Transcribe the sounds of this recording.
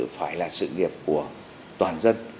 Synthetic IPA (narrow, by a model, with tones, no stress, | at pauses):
ɨ̰˧˨faː˨˦jlaː˨˩sɨ̰˧˨ŋi˨˩əp̚ku˧˩ə | t̪waː˨˩nzə˦˥nt̚